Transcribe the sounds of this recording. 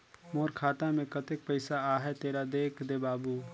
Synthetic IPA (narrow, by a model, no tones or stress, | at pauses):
moːɾkʰaːt̪ãmẽkət̪ek̚pəɪsaaːɦɛt̪eːɾad̪eːkʰd̪ebaːbu